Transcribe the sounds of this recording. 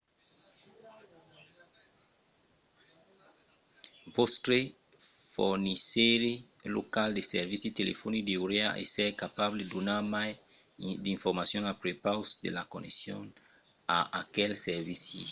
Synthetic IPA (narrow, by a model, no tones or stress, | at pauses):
vost̪ɾe | fo̰ɾniseɾelo̰kald̪eseɾvisit̪elefonid̪euɾeaʔḛseɾkapaβled̪onaɾmaj | d̪iɱfoɾmasjõŋapɾepawsd̪ḛlakonesjo̰n | a̰akɛlseɾvisi